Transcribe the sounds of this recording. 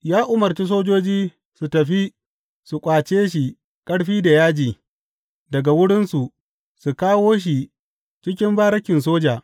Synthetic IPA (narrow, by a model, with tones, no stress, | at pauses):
jaː˦ʔʊ˨mɐ˨rt͡ʃi˦s̬oː˦d͡ʒoː˦d͡ʒiː˦ | su˨tɐ˨ɸi˦ | su˨kʷʼaː˨t͡ʃeː˦ʃ̬i˨ | kʼɐ˦ɽɸiː˦da˨jaː˦d͡ʒiː˨ | dɐ˨ɡa˨wʊ˦ɽɪ˦nsu˨ | su˨kaː˦woː˦ʃ̬i˨ | t͡ʃɪ˦kʲɪ˦mbaː˦ɾɐ˦kʲɪ˨ns̬oː˦d͡ʒaː˨